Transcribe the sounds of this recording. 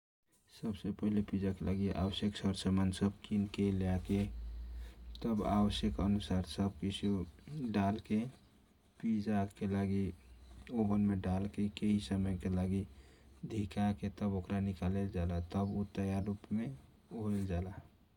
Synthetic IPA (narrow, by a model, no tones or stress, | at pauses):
səbsepəɦlepid͡ʒakelʔaɡiʔa̰wəsjəksəɾsəmansəb̚kinkelake | t̪əba̰wəsjəkənusaɾsəbkisʰuɖalke | pid͡ʒakelaɡi | obənmeɖalkekeɦisəməjkelaɡi | d̪ʱikaket̪əbokɾanikaleld͡ʒalat̪əbut̪əjaɾupme | oeld͡ʒala